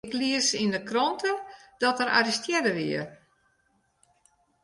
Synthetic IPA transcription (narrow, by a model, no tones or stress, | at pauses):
kliəsindəkrɔntʰəd̥ɔtəɾa̰ɾistjɛdəʋiə